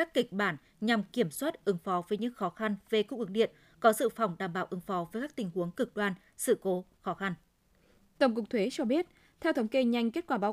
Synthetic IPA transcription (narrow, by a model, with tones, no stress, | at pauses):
kaː˦˥kːï˨˩k̚ɓaː˧˩n | ɲa˨˩mki˧˩əmswaː˦˥t̚ʔɨ˨˦ŋfɔ˨˦vəː˨˦jɲɨ̰˧˥ŋxɔ˨˦xa˧nve˨˩kʊ˧˨ŋ͡mʔɨ˨˩k̚ɗḭ˧˨ən | kɔ˨˦sɨ̰˧˨fa˨˩wŋ͡mɗaː˧˩mɓaː˧˩wʔɨ˨˦ŋfɔ˨˦vəː˨˦jkaː˦˥k̚t̪ï˨˩ŋ̟hu˨˦əŋkɨ˨˩k̚ɗwaː˧n | sɨ̰˧˨ko˨˦xɔ˨˦xa˧n | t̪ə˧˩ŋ͡mkʊ˨˩k͡p̚t̪ʰwe˨˦t͡ɕɔ˧ɓi˦˥ət̚ | t̪ʰɛ˧wt̪ə˨˦wŋ͡mke˧ɲa˧jŋ̟ke˦˥t̚kwaː˧˩ɓaː˨˦